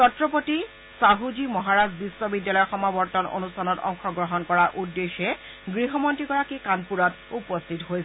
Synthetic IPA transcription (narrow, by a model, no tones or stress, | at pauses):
tɔtɹɔpoti | saɦudimɔɦaɹazbisːɔbidːalɔjɔxɔmabɔɹtɔno̰nustʰanɔtɔ̰ŋxɔɡɹɔɦɔnkɔɹaɹʔudːexɛ | ɡɹiɦɔmɔntɹiɡɔɹakikanpuɹɔt | upɔstʰitɦojsɛ